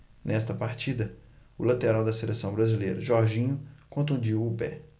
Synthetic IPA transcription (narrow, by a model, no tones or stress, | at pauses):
nɛst̪ɐpaɾt͡ʃid̪ɐ | ʊlat̪eɾawd̪ɐselesɐ̃w̃bɾɐzilejɾɐʒɔɾʒĩɲʊkõnt̪̬ũd͡ʒiwʊpɛ̰